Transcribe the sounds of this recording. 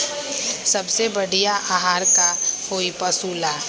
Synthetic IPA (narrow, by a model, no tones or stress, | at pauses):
sɐbsebəɽijaʔaːɦaːɾkahoːipəsuːlaː